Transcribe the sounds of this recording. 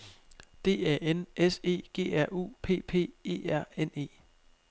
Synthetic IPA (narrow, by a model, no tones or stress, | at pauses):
d̥e̝̰ːɛ̰enʔese̝̰ːɡ̥e̝̰ːæɐ̰ʔṵːpʰe̝̰ːpʰe̝̰ːe̝̰ːæɐ̰ene̝̰ː